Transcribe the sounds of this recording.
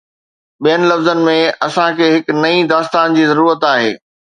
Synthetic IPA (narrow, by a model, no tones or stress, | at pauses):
ɓijənɪ̆lɐfzənɪ̆mẽɐsãkʰeːɦɪknɐĩd̪aːst̪aːnd͡ʑiːzɐɾuːɾət̪aːɦḛː